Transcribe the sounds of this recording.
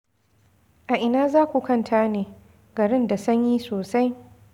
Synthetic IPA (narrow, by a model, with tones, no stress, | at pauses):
ʔa˨ʔɪ˨naː˦zaː˦kʷu˨kɐ˦˨ntʰaː˦neː˨ | ɡɐ˨ɾɪ˦nda˨sɐ˦ɲjiː˦soː˨sa˦j